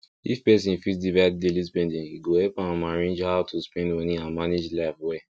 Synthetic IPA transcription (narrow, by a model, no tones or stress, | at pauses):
ifpɛs̬ĩfisdivadelis̬pɛ̃ndĩŋiɡohɛpaamaɹĩnd͡ʒhawtʰuspɛ̃ndwɛ̃nĩamaned͡ʒlaɪfwe